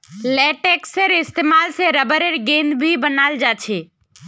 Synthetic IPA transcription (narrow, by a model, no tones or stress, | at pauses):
lɛʈekseɾɪst̪emalseɾəbəɾeɾɡẽnbʱibənald͡ʒat͡ʃʰe